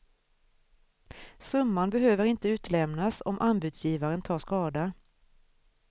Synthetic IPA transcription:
sɵmːanbɛɦøːvəɾɪnt̪əʉ̟ːt̪lɛmnasɔ̰mʔanbʉ̟d̪sjiːvaɾənt̪ʰɑːʂkɑːd̪a

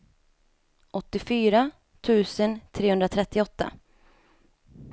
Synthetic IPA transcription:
ʔɔt̪ːɪfyːɾa | t̪ʰʉ̟ːsənt̪ʰɾeːɵnd̪ɾat̪ʰɾɛt̪ːɪɔt̪ːa̰

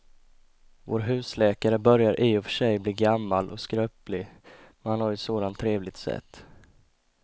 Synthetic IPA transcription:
vo̰ːɾɦʉ̟ːslɛːkaɾəbœɾjaɾʔiːɔfœ̥ʂɛjbliːɡamːalʔɔkskɾœːplɪmɛnhanhaɾjʏsoːd̪ant̪ʰːɾeːvlɪɡ̚t̪sɛ̰t̪ː

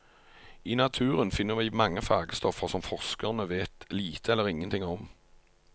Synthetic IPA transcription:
iːnɑt̪ʰʉːʁənfɪnːəʁʋɪmɑŋːəfɑːɡəst̪ɔfəsɔmfɔʁskəʁnəʋeːt̪liːt̪ʰəɛlːəʁɪŋənt̪ɪŋɔm

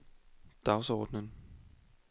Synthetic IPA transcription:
d̥ɑ̈ʊsɒːd̥nən

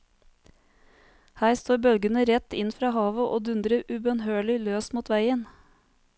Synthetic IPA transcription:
hæːɾst̪oːɾbœlɡənəɾɛt̪ɪnfɾɑːhɑːʋəʔoːd̪ʉnd̪ɾəʔʉbœnhøːɭɪløːsmuːt̪ʋæɪən

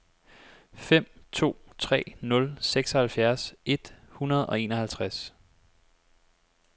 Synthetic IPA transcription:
fem̰t͡sʰo̝̰ːt͡sʰʁɛ̰ːnɔ̽lseɡ̥sɒ̽hælfjæɐse̝d̥hunɐð̞̩ˠɒ̽e̝̰ːnɒhælt͡sʰʁas

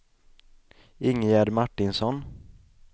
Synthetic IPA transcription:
ɪŋːəjæɾmaʈːɪnsɔn

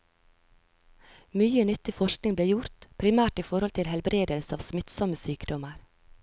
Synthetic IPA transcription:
myːənʏt̪ɪfɔʃknɪŋbleːjʊɾt̪pʰɾɪmæːʈiːfɔɾhɔlt̪ʰɪlhɛlbɾeːd̪əlsəɑːʋsmɪt̪sɔməsyːkd̪ɔməɾ

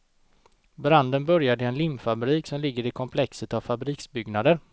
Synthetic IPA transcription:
bɾand̪ənbœɾjad̪ɪɛnlɪmːfabɾiːksɔmlɪɡːəɾɪkʰɔmpʰlɛksət̪avfabɾiːksbʏɡnad̪əɾ

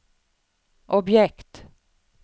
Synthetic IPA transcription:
ʔɔbjɛkt̪

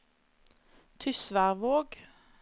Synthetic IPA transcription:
t̪ʰʏsʋæʁʋoːɡ

